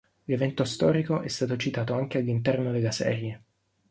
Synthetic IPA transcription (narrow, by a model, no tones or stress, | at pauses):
levɛnt̪ost̪ɔːɾikoʔɛst̪aːt̪ot͡ʃit̪aːt̪oaŋk̟ealːint̪ɛrnod̪elːasɛ̰ːɾje